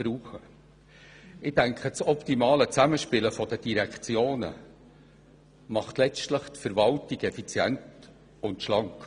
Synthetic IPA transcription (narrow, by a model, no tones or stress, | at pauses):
b̥ɾuːχə | ɪdæŋkχət͡sɔptimɑːlət͡sæməʃpɪləfɔdəd̥iɾɛkt͡sjoːnə̰ | mɑχtlɛt͡stləχtfəɾvɑltiɡɛfit͡sjɛ̰nt | ʊntʃlɑŋk